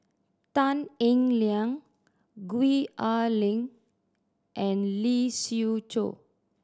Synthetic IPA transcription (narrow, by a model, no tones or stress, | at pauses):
t̪ãnĩŋliãŋ | ɡwiʔalĩŋ | ʔɛ̃nlisiut͡ʃo̰